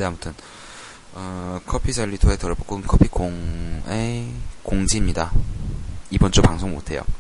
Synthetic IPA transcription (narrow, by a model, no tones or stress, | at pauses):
neamutʰɯn | ʌkʰʌpʰid͡ʑʰaʎːitʰoɦetʌɾbokɯnkʰʌpʰikoŋekoŋd͡ʑimɲida | ibʌnt͡ɕ͈opaŋsʰoŋmo̰tʰe̞jo̰